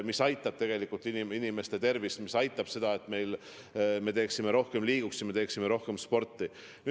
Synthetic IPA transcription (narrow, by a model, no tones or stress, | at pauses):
misɑjt̪ːˑɑb̥̚t̪e̞ɡ̥e̞likːˑult̪ːˑiniminime̞st̪e̞t̪e̞rvismisɑjt̪ːˑɑb̥se̞d̪̥ɑe̞t̪me̞jl | me̞t̪eːksimeɾo̞hke̞mliːɡ̥uksjɑme̞t̪eːksime̞ɾo̞hke̞mspo̞rt̪ːˑi | ny